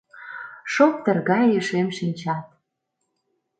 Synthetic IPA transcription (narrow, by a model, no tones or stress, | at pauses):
ʃok̚t̪ə̆rɣɑjeʃemʃinʲt͡ɕɑt̪̚